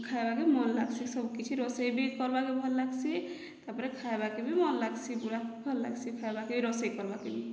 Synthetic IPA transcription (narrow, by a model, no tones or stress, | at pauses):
kʰajbakemɔnla̰ɡsisɔbkit͡ʃʰiɾɔsəjbikɔɾbakebʱɔlːaɡsi | t̪apɾekʰajbakebʱimɔnlaɡsibuɾabʱɔlːa̰ɡsikʰajbakebʱiɾɔsajkɔɾbakebi